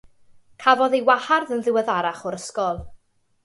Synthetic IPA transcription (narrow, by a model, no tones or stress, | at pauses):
kʰavɔðejwaharðənðɪwɛðaɾaχɔɾəskɔlˠ